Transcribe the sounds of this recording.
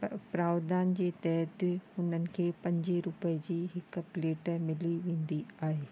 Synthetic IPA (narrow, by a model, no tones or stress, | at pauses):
pɾaːwd̪aːnd͡ʑeːt̪ɛɦət̪ʊnənɪ̆kʰeːpɐ̃ɲd͡ʑɪɾʊpəd͡ʑiːɦɪkpleːʈəmɪliʋẽːnd̪iaːɦeː